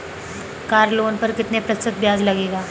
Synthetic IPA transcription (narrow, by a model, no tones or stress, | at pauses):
kaːɾloːnpəɾkɪt̪nepɾəsɪt̪̚bʱjaːd͡zlɐɡeːɡaː